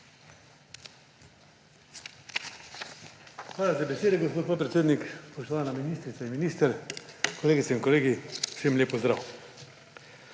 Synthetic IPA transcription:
xʋaːlazabɛseːd̪ɛɡospoːt̪̚poːt̪̚pɾet̪seːd̪nikpɔʃt̪oʋaːnaminist̪ɾit̪ainminiːst̪ɛɾkɔleːɡit̪sɛinkoleːɡi̥semlʲeːpɔzd̪ɾa̰w

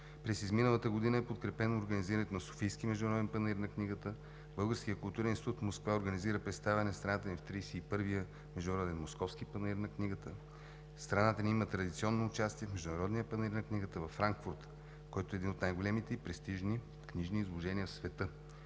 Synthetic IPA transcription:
pɾɛsizminəlˠət̪əɡod̪inəɛpot̪kɾɛpɛnooːɾɡəniziɾənɛt̪onɐso̥fijskimɛʒd̪ʊnɐɾɔd̪ɛnpəniɾnɐkniɡət̪ə | bɤlˠɡəɾskijəkʊlˠt̪uɾɛnĩnʲit̪ut̪moskvaoɾɡəniziɾəpɾɛt̪st̪avɛnɛst̪ɾɐnat̪ənift̪ɾijsɛːpɤɾvijə | mɛʒd̪ʊnɐɾɔd̪ɛnmoskɔfsk̟ipəniɾnɐkniɡət̪ə | st̪ɾɐnat̪əniimət̪ɾɐd̪it̪siɔnːoːt͡ʃast̪iɛfmɛʒd̪uʊnɐɾɔd̪nijəpəniɾnɐkniɡət̪əvɐfːɾaŋkfuɾt̪ | kɔjt̪oɛːd̪inot̪najɡolɛmit̪ɛipɾɛst̪iʒni | kniʒniːzlˠoʒɛniəfsvɛt̪ɤ

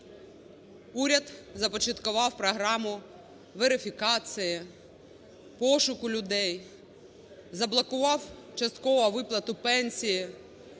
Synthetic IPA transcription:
uɾʲɐd̪zɐpɔt͡ʃɐt̪kʊʋɑwpɾɔɦɾɑmʊ | ʋeɾɪfʲikɑt͡s̪ʲɪjɐ | pɔʃʊkʊlʲʊd̪ɛj | zɐblˠɐkʊʋɑwt͡ʃɐst̪̚kɔʋɐʋɪplˠɐt̪ʊpɛnʲsʲijɪ

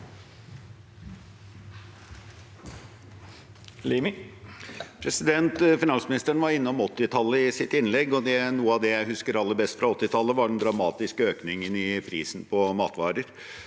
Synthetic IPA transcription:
lim | pʰɾɛsɪd̪ɛnt̪fɪnɑnsmɪnɪst̪əɳʋɑɾɪnːɔmɔt̪ːɪt̪ʰɑlːəɪsɪt̪ɪnlɛɡɔd̪ɛnuːəɑd̪ɛjæɪhʉskəɾɑlːəɾbɛst̪fɾɑɔt̪ːɪt̪ʰɑlːəʋɑɖɛnd̪ɾɑmɑːt̪ɪskəøːknɪŋənɪpʰɾiːsn̩pʰɔmɑ̰ːt̪ʋɑ̰ːɾəɾ

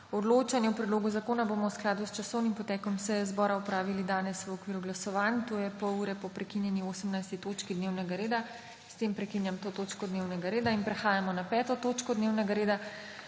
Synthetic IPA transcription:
ɔd̪loːt͡ʃanjɛwpɾɛd̪loːɡuzakoːnabomɔwsklaːd̪ust͡ʃasɔwnimpɔt̪ɛːkɔmsɛjɛzbɔːɾaupɾaːʋilid̪aːnɛsʋəɔkʋiːɾuɡlasɔʋant̪oːjɛpɔuːɾɛpɔpɾɛkinjɛnioːsəmnajst̪it̪oːt͡ʃkid̪newnɛɡaɾeːd̪a | st̪eːmpɾɛkinjamt̪oːt̪oːt͡ʃkɔd̪neːwnɛɡaɾeːd̪ainpɾɛxaːjamɔnapɛːt̪ɔt̪oːt͡ʃkɔd̪neːwnɛɡaɾeːd̪a

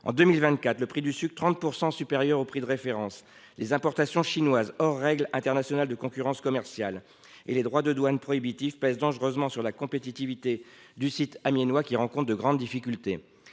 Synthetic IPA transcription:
ɑ̰̃d̪ømilvɛ̃t̪̚kat̪ləpχid̪ysyk̚t̪χɑ̃t̪̚puʁsɑ̃sypeʁjœʁopχid̪əʁefeʁɑ̃s | lezɛ̃pɔʁt̪asjɔ̃ʃinwazɔʁːɛɡlɛ̃t̪ɛʁnasjɔnald̪əkɔ̃kʲyʁɑ̃skɔmɛʁsjal | ḛled̪ʁwad̪əd̪wanpχɔibit̪ivpɛzd̪ɑ̃ʒʁøzmɑ̃syʁlakɔ̃pet̪it̪ivit̪e | d̪ysit̪amjenwakʲiʁɑ̃kɔ̃t̪̚d̪əɡʁɑ̃d̪d̪ifikʲylt̪e

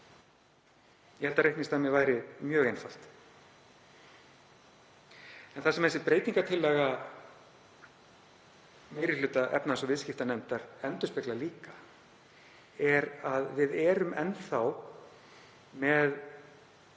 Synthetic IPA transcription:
jɛhɛlt̪aɾehtnɪst̪ʰamjɛɣvaːjɾɪmjœːɣejnfal̥t̪ | ɛnθasɛmɛsɪpɾeːjt̪iŋkat̪ʰɪlːɛːɣa | mɪɾɪlʏːt̪aʔɛ̰pnasɔvɪðscɪft̪anɛmt̪aɾ̥ɛnt̪ʏspɪklaliːka | ɛɾaðvɪðɛːɾʏmɛnθaw | mɛð

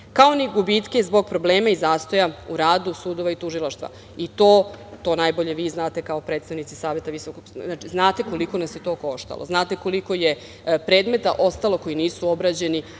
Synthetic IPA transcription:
kao̞niɡubit̪ke̞zbo̞ɡ̚pɾo̞bleːmaizaːst̪o̞jauɾaːd̪usuːd̪o̞ʋait̪uʒilˠaʃt̪ʋa̰ | it̪o̞ːt̪o̞ːnajboʎe̞ʋiːznaːt̪e̞kaopɾe̞ːt̪st̪aʋnit̪sisaːʋje̞t̪aʋisokoɡnat͡ʃiznaːt̪e̞ko̞liko̞nasjet̪o̞ːko̞ʃt̪a̰lˠʔo̰znaːt̪e̞ko̞liko̞je | pɾeːd̪me̞t̪aʔo̞st̪alo̞kojiniːsuo̞bɾad͡ʑe̞ni

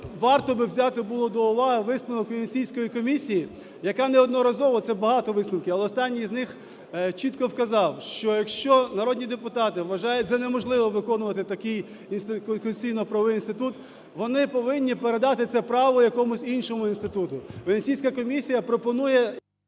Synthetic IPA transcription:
ʋɑrt̪ɔbɪwzʲɑt̪ɪbulˠɔd̪ɔʊʋɑɦɪʋɪsnʊʋɔkʋʲenʲsʲijsʲkɔjikɔmʲisʲiji | jɐkɑnɛɔd̪nɔɾɐzɔʋɔt̪sɛbɐɦɑt̪ɔʋɪsnʊwkʲɪɐlˠɛɔst̪ɑnʲːiznɪx | t͡ʃit̪kɔwkɐzɑwʃt͡ʃɔjɐkʃt͡ʃɔnɐɾɔdʲnʲid̪epʊt̪ɑt̪ɪʋʋɐʒɑjʊɛtʲt̪sɛnemɔʒlˠɪʋɔʋɪkɔnʊʋɐt̪ɪt̪ɐkɪj | inst̪kkɔsʲijnɔpɾɐʋʋɪinst̪ɪt̪ut̪ | ʋɔnɪpɔʋɪnʲːipeɾe̞d̪ɑt̪ɪt̪sɛpɾɑʋɔjɐkɔmʊsʲinʃɔmʊinst̪ɪt̪ut̪ʊʋenʲnʲsʲijsʲkɐkɔmʲisʲijɐpɾɔpɔnujɛ

